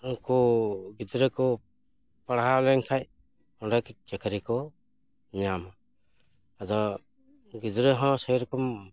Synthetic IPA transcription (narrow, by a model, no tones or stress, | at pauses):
kɔɡid̪ɾɛkɔ | paɽaɦalɛŋkʰaj | ɔnɾakd͡ʒɛkʰaɾikɔ | ɲam | ad̪ɔ | ɡid̪ɾeɦɔ̃sɔjɾɔkɔm